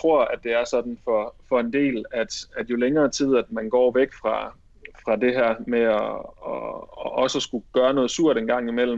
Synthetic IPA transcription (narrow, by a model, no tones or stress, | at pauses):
t͡sʰʁo̝ɐ̰æd̥e̝æɐsɒ̽d̥n̩fɒ̽fɒ̽e̝nd̥e̝̰ːlæd̥æd̥jo̝leŋɐːt͡sʰið̰ˠæd̥mænɡ̥ɒ̰ːʋeɡ̥fʁɑ̈ | fʁɑ̈de̝ɦæɐ̰meɒɒʔɒ̽səsɡ̥uɡ̥ɶːɐnɔ̽ð̩ˠsuɐ̰ɾ̥enɡ̥ɑ̈ŋ̰imel̰̩